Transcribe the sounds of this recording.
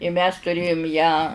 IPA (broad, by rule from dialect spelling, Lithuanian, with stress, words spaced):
ɪ mʲɛs tʊˈrʲeːjʊm jæː